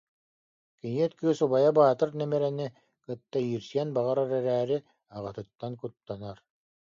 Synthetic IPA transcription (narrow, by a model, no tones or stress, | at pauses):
kiniɛt̪kɯsubajabaːt̪ɯɾnɛmɛɾɛni | kɯt̪ːaiːɾsiɛnbaʁaɾaɾɛɾæːɾi | aʁɯt̪ɯt̪ːankut̪ːanaɾ